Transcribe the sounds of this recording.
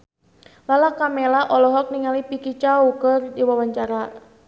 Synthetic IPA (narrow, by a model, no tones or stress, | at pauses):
lalakamɛlaʔɔlɔɦɔk̚niŋalipikit͡ʃaukərdiwawaɲt͡ʃaɾa